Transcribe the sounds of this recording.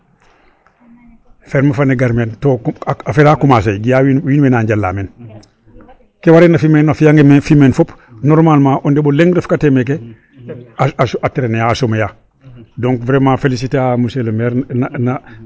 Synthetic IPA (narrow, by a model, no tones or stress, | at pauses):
feɾmafaneɡaɾmentoafeɾakumas̬ajɡijawiwiːnwenaɲɟalːa̰ːmen | kewaɾenafimenafijaŋɡemefimenfopnoɾmalmãʔondeboleŋɡɾefkatemek̬e | aasateɾenejaːsomeja | doŋkvɾemafelis̬iteamuselmeɾnana